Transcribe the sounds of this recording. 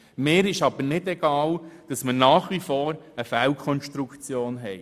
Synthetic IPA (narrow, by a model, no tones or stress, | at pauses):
meːɾɪʃɑb̥əɾnɪdɛɡ̥ɑːld̥ɑsmənɑːχʋifɔːɾəfælkʰɔnʃtɾukt͡sjoːnɦɛɪ